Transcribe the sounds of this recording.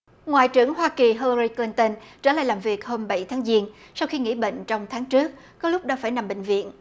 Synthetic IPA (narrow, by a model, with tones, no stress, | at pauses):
ŋwa̰ː˧˨jt͡ɕɨ˧˩əŋɦwaː˧ki˨˩ɦə˧lɾi˧kli˧nt̪ə˧nt͡ɕəː˧˩la̰ː˧˨jlaː˨˩mvi˨˩ək̚hoː˧mɓa˧˩jt̪ʰaː˨˦ŋzi˧ən | sa˧wxi˧ŋḭ˧˥ɓḛ˧˨ŋ̟t͡ɕɔ˧wŋ͡mt̪ʰaː˨˦ŋt͡ɕɨ˦˥ək̚ | kɔ˨˦lʊ˦˥k͡p̚ɗaː˧˦faː˧˩jna˨˩mɓḛ˧˨ŋ̟vḭ˧˨ən